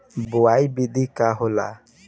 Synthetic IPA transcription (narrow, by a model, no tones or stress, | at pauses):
bʊajbidikaɦʊla̰